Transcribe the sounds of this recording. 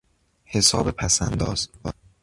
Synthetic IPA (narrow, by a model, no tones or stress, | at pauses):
he̞sɒːbepʰæsænd̪ɒ̰ːz̥